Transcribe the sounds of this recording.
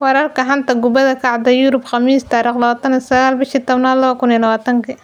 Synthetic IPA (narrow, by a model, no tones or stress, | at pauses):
wɑɾɐrkɐɦant̪ɐɡʊbɐðɐkʰɑʕd̪ɐjuɾʊbxɑmiːst̪aːɾiːxlɐβaːt̪ɐnisɐɣaːlbɪʃit̪ɔβnaːlɐβɐkʊnjlɐwaːt̪ʰɐŋkʰi